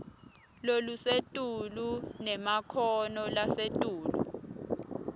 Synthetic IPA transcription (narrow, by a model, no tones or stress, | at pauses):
lolusetʼulunɛmakʰɔnɔlasetʼuːlu